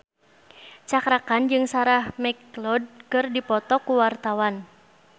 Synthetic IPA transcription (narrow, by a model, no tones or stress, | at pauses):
t͡ʃakɾakand͡ʒɨŋsaɾahmɛklɔd̚kɨrdipɔt̪ɔkuwart̪awan